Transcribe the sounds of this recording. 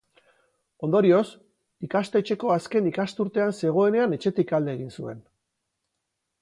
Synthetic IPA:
o̞nd̪oɾio̞s | ikast̪e̞t͡ʃe̞ko̞aske̞nikast̪uɾt̪e̞anse̞ɣ̞o̞e̞ne̞ane̞t͡ʃe̞t̪ikald̪e̞ːɣinsue̞n

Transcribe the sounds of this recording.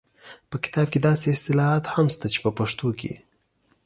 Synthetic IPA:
pəkɪ̥t̪ɑb̚ked̪ɑseɪst̪ɪlɑɦɑt̪hamst̪at͡ʃe̥pəpaʂt̪okḛ

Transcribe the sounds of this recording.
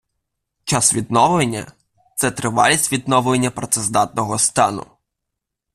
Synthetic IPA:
t͡ʃɑsʋʲid̪nɔʋˠenʲːɐ̰ | t̪sɛt̪ɾɪʋɑ̰lʲisʲʋʲid̪nɔʋlˠenʲːɐpɾɔt̪sɛzd̪ɑt̪̚nɔɦɔst̪ɑnʊ̰

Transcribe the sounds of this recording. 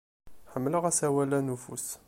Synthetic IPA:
ħəmːləʁæsæwælænufṵs

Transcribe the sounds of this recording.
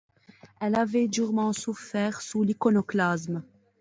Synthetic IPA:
ɛlavɛd̪yʁmɑ̃sufɛːʁsulikɔnɔklasm

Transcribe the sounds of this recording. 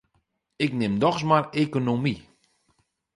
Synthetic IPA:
ɪknɪmdɔxs̬marekonomi

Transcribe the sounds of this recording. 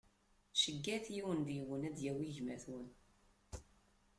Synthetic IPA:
ʃəɡːæθjiwənd̪iwənæd̪jæwiʝmæθwən

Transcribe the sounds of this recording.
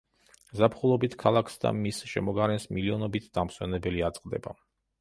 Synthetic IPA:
zapʰχulˠɔbit̪ʰkʰalˠakʰsd̪a̰misʃɛmɔɡaɾɛnsmiliɔnɔbit̪ʰd̪amswɛnɛbɛliat̪sʼqʼd̪ɛ̰ba

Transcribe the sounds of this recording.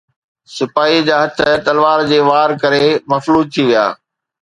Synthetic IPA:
sɪpaːɦid͡ʑaːɦɐt̪ʰə̆t̪ɐlʋaːɾd͡ʑeːʋaːɾkɐɾemɐfluːzt̪ʰiʋija̰ː

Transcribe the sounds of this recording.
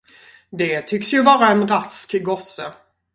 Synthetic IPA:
d̪ɛt̪ʰʏksjɵvɑːɾaɛnɾaskɪɡɔsə

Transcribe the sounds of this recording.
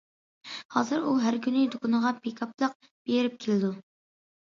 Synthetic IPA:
hɑ̰ːzɨɾuɦæɾkʲynɪd̪okʊnəʁɑpʰekʰɑplˠəq̚ | b̥eɾɪp̚kʲʰelɪd̪u

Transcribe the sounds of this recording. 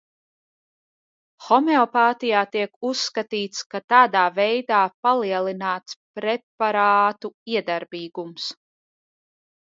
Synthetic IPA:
xɔmeɔpaːt̪ijaːt̪iɛkusːkat̪iːt̪skat̪aːd̪aːvɛjd̪aːpalˠiɛlˠinaːt̪spɾɛpaɾaːt̪uiɛd̪aɾbiːɡums

